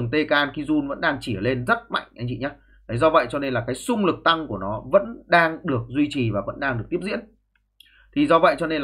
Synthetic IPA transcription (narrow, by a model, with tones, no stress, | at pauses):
əŋt̪e˧kaː˧nki˨˦zu˧nvə̰˧˥nɗaː˧ŋt͡ɕi˧˩ə˨le˧nzə˦˥t̚ma̰˧˨jŋ̟ʔa˧jŋt͡ɕḭ˧˩ɲaː˨˧˦ | la˨˦jzɔ˧və̰˧˨jt͡ɕɔ˧ne˧nlaː˨˩kaː˨˦jsʊ˧ŋ͡mlɨ˨˩k̚t̪a˧ŋku˧˩ənɔ˨˦və̰˧˥nɗaː˧ŋɗɨ˨˩ək̚zwi˧t͡ɕi˨˩vaː˨˩və̰˧˥nɗaː˧ŋɗɨ˨˩ək̚t̪i˦˥əp̚zḭ˧˥n | t̪ʰi˨˩zɔ˧və̰˧˨jt͡ɕɔ˧ne˧nl